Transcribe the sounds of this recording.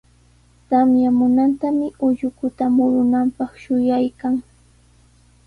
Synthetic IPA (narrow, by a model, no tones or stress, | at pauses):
t̪amjamʊnant̪amɪʔʊʎʊkʊt̪amʊɾʊnampɑχʃʊjajkaŋ